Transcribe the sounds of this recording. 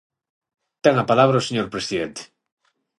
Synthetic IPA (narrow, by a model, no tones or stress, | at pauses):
t̪ɛŋapalaβɾaoseɲoɾpɾesiðent̪e̥